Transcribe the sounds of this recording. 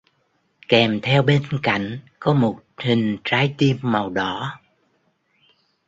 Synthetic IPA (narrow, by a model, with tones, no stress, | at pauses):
kɛ˨˩mt̪ʰɛ˧wɓe˧nka̰˧˨jŋ̟kɔ˨˦mo˨˩t̚hï˨˩ŋ̟t͡ɕaː˨˦jt̪i˧əmːa˨˩wɗɔ˧˩˦